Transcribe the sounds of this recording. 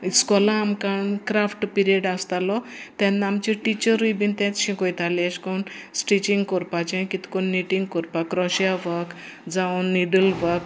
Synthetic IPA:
iskɔlãːmkaɳkɾafʈpiɾieɖast̪alɔt̪ɛ̃nːaamt͡ɕĩʈit͡ɕəɾibint̪ɛ̃t͡sɕĩkojt̪aleɕkonsʈit͡ɕĩŋɡkɔɾpat͡ɕẽkit̪i̥konːiʈiŋɡ̚kɔɾpakɾɔɕjaʋək | d͡zãnːiɖəlʋək

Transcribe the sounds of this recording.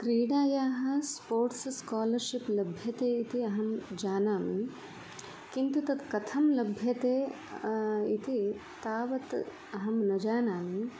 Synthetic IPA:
kɾiːɽaːjaːɦɐ̆spoːɾʈsskaːlɐɾʃiplɐbʱjɐt̪eːit̪iɐɦɐmd͡ʒaːnaːmi | kint̪ut̪ɐd̪kɐt̪ʰɐmlɐbʱjɐt̪eː | it̪it̪aːʋɐt̪ | ɐɦɐmnɐd͡ʒaːnaːmi

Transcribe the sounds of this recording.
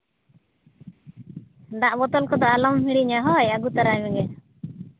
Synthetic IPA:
d̪aʔbɔt̪ɔlkɔd̪ɔalɔmɦiɽiɲaɦɔjaɡut̪aɾajmɛɡɛ

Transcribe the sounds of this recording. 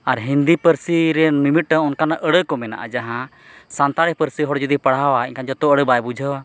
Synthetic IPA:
aɾɦind̪ipəɾsiɾɛnmimiʈ̚ʈəɔnkanaʔəɽəkɔmɛna̰ʔa̰d͡ʒaɦã | sant̪aɽɛpəɾsiɦɔɽd͡ʒud̪ipəɽ̤awaiɲkand͡ʒɔt̪ɔəɽəbajbud͡ʒʱəwa

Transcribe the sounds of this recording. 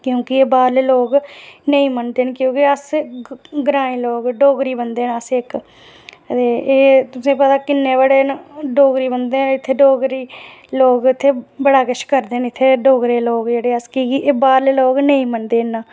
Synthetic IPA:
kjõːkɪeːbaːɾleːloːɡnəĩːmənd̪eːnkjõːkɪəs | ɡɾãːĩːloːɡɖoːɡɾiːbənd̪eːnəsɪk | t̪eːeːt̪ʊsĩːpət̪aːkɪnːeːbəɽeːnɖoːɡɾiːbənd̪eːɪt̪ʰːeːɖoːɡɾiːloːɡɪt̪ʰːeːbəɽaːkəɪʃkəɾd̪eːnɪt̪ʰːeːɖoːɡɾeːloːɡd͡ʒeːɽeːəskiːɡiʔeːbaːɾleːloːɡnəĩːmənd̪eːnaː

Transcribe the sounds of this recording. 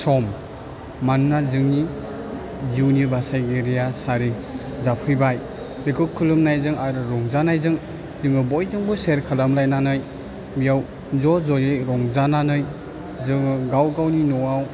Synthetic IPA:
sɔmː | anːazɯŋni | ziwnubasajɡeɾijasaɾi | zapʰɯjbaj | lekʰɯkʰːɯlɯmnajzɯŋaɾɯɾɔŋzanajzɯŋ | zɯŋɯbɔjzɯŋbɯseɾkʰalamlajnanɯj | bijaw | zɔzɔjejɾɔŋzananɯj | zɯŋɯɡawɡawninɔaw

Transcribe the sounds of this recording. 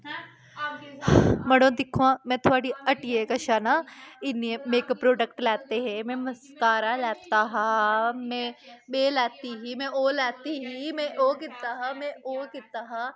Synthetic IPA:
mɐɽõːd̪ɪkʰːuãːmɛ̃ːt̪ʰʊʋaːɽiɐʈijekɐʃaːnaɪniemeːkpɾoːɖək̚ʈlɛːt̪eɦẽmɛ̃mɐskaːɾalɛːt̪aɦãmɛ̃ɓeːlɛːt̪iɦiːmɛ̃oːlɛːt̪iɦiːmɛ̃ʔoːkɪt̪aɦamɛ̃oːkɪt̪aɦãː

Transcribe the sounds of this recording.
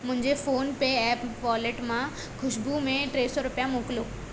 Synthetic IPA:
mʊ̃ɦɪ̃ɲd͡ʑefoːnpeɛːpʋɔːleʈmã | kʰʊʃbumẽʈɾeːsɔɾʊpjamoːkɪloː

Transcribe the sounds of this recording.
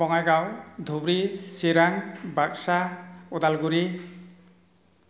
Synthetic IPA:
bɔŋajɡawd̪ʱubɾiseɾaŋbaksaod̪alɡuɾi

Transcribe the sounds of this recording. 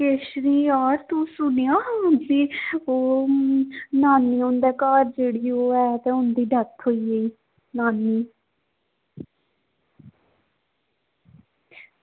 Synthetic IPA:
keːʃɾiːaːɾt̪ũːsʊnejaːd͡ʒiːoː | naːnːiːʊ̃nd̪ɛːkaːɾd͡ʒeːɽiːoːɛːt̪ẽːʊnd̪iːɖət̪ɦoːiːeiː | naːnːiː

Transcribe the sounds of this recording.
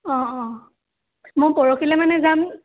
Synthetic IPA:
ɔ̃ɔ̃ | mʊjpɔɹokʰilɛmanɛzam

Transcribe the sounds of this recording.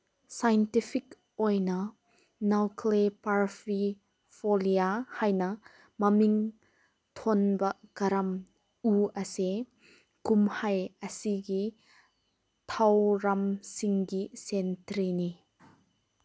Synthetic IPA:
sajntifʰik | ɔjnɐ | nɐwkʰlepaɾfi | foliahajnɐ | mɐmiŋ | t̪ʰɔnbɐkɐɾɐm | uɐse | kumhɐjɐsiɡi | t̪ʰɐwɾɐmsiŋɡisɛntɾini

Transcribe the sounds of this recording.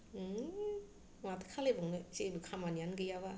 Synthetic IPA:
matɯkʰalebaŋnɯt͡ʃebukʰamanijanɡɯjawa

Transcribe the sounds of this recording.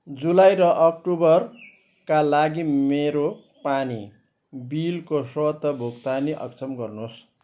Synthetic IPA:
d͡zulajɾʌʔʌkʈubʌr | kalaɡimeɾo | pani | bilkosʌʌt̪ːʌbʱukt̪aniʔʌ̰kt͡sʰʌmɡʌrnos

